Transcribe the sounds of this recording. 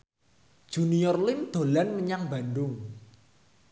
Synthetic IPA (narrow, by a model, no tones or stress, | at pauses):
d̥ʒ̥unijɔrlɪmd̪̥o̤lanməɲaŋba̤nɖʊŋ